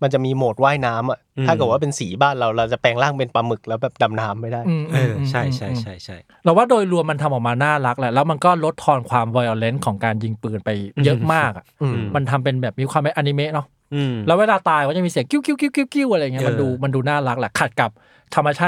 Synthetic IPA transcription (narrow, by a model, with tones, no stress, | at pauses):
ma˧nt͡ɕa˨˩ʔmiː˧moː˨˩t̪̚waː˥˩jnaː˦˥mʔa˨˩aː˥˩ɯː˨˩waː˥˩pe˧nsiː˩˦baː˥˩nɾa˧wɾa˧wt͡ɕa˨˩pɛː˧ŋlaː˥˩ŋpe˧npaː˧mɯ˨˩k̚lɛː˦˥wbɛː˨˩p̚da˧mnaː˦˥mːa˥˩jdaː˥˩jʔɯː˧ʔɯː˧t͡ɕʰa˥˩jt͡ɕʰa˥˩jʰa˥˩jt͡ɕʰa˥˩j | pɛː˧˥waː˥˩doː˧jlu˧mːa˧nt̪ʰa˧mʔɔː˨˩k̚maː˧naː˥˩la˦˥k̚lɛ˧˩lɛː˦˥wma˧nkɔː˥˩lo˦˥t̪ʰːɔː˧nkʰwaː˧mwɔː˧jʔɔː˧le˦˥nkʰɔː˩˦ŋkaː˧nji˧ŋpɯː˨˩npa˧jjɤ˦˥ʔmaː˥˩k̚ʔa̰˨˩ʔma˧nt̪ʰa˧mpe˧nbɛː˨˩p̚miː˧kʰwaː˧mpʔaː˧ni˧me˦˥nɔ˦˥ | lɛ˦˥weː˧laː˧t̪aː˧jkɔː˥˩t͡ɕa˨˩miː˧si˩˦ə˦ŋki˥˩wki˥˩wki˥˩wki˥˩wki˥˩wʔa˧ɾa˧jŋ˦˥ma˧nduː˧ma˧nduː˧naː˥˩la˦˥k̚lɛ˧˩kʰa˨˩t̪̚ka˨˩p̚ | t̪ʰa˧mːa˧t͡ɕʰaː˥˩